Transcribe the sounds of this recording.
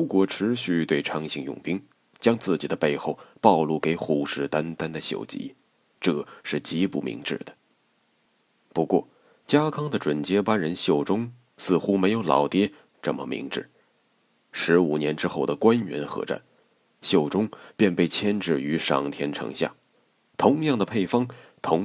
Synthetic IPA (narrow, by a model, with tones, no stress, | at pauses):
ɻu˧˥kwɔ˧˥ʈ͡ʂʰɻ̩˧˥ɕy˥˧t̪we˥˩ɪʈ͡ʂʰɑ˥ŋɕi˧˥ŋjʊ̰˨˩ŋpi˥ŋ | t͡ɕjɑ˥ŋt͡sɹ̩˥˩t͡ɕi˨˩d̪ə˦pe˥˧ɪxo˥˩ʊpɑ˥˧ʊlu˥˩ke˧˥ɪxu˨˩ʂɻ̩˥˩t̪a˥nt̪a˥nd̪ə˨ɕjo̰˨˩ʊt͡ɕḭ˧˥ | ʈ͡ʂɤ˥˩ʂɻ̩˥˩t͡ɕi˧˥pṵ˥˩mḭ˧˥ŋʈ͡ʂɻ̩˥˩d̪ə˩ | pu˧˥kwɔ̰˥˩ | t͡ɕja˥kʰɑ˥ŋd̪ə˨ʈ͡ʂwə˨˩nt͡ɕjɛ˥pa˥nɻə˧˥nɕjo˥˩ʊʈ͡ʂʊ˥ŋ | sɹ̩˥˩xu˥me˧˥ɪjo˧˥ʊlɑ̰˨˩ʊt̪jɛ˥ | ʈ͡ʂə˥˩mə˩mḭ˧˥ŋʈ͡ʂɻ̩˥˩ | ʂɻ̩˧˥u˨˩njɛ˧˥nʈ͡ʂɻ̩˥xo˥˩ʊd̪ə˩kwa˥nɥɛ̰˧˥nxɤ̰˧˥ʈ͡ʂa̰˥˩n | ɕjo˥˩ʊʈ͡ʂʊ˥ŋpjɛ˥˧npe˥˩ɪt͡ɕʰjɛ˥nʈ͡ʂɻ̩˥˩y˧˥ʂɑ̰˨˩ŋt̪ʰjɛ˥nʈ͡ʂʰɤ̰˧˥ŋɕja̰˥˩ | t̪ʰʊ˧˥ŋjɑ˥˩ŋd̪ə˩pʰe˥˩ɪfɑ˥ŋt̪ʰʊ˧˥ŋ